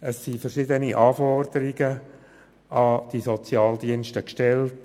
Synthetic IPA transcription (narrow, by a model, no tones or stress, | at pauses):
əsːifərʃɪdəniʔɑːfɔrd̥̪əɾɪɡə | ɑd̥isɔt͡sjɑːld̪iənstəkʃtɛlt